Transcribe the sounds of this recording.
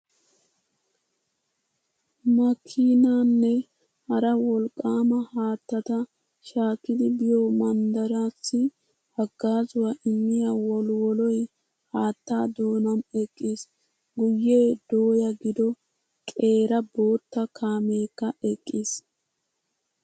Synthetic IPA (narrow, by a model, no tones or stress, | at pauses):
mɐkʰːiːnaːnːɛ | hɐɾɐwɔlkʼːaːmɐhaːt̪ːɐt̪ɐ | ʃaːkːɪd̪ɪbɪjɔmɐnd̪ɐɾaːsːɪ | hɐɡːaːzʊwɐʔɪmːɪjawɔlwɔlɔj | haːt̪ːaːd̪o̞ːnɐmɛkʼːiːs | ɡʊjːe̞ːd̪oːjɐɡɪd̪ɔ | kʼe̞ːɾɐbo̞ːt̪ːɐkʰaːmeːkːɐʔɛkʼːiːs